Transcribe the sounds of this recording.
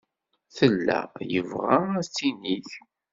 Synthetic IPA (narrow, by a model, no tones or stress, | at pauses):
θəlːæ̰jəvʁææt͡sːiniθ